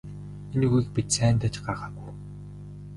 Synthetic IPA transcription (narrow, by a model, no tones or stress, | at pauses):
enɣujik̚pit̪sæːnt̪æːt͡ɕɢaχaːɣuj